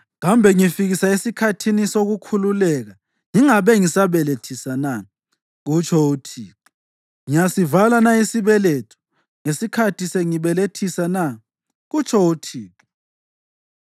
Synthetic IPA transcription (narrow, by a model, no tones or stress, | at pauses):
ɣambʱɛŋifiɣisaesikʰatʰinisoɣukʰululɛɣa | ŋiŋaβɛŋisaβɛletʰisana | ɣut͡ʃʰɔutʰiːǁu | ŋijasivalanaisiβɛletʰu̥ | ŋesikʰatʰiseŋiβɛletʰisana | ɣut͡ʃʼʰɔutʰiːǁu̥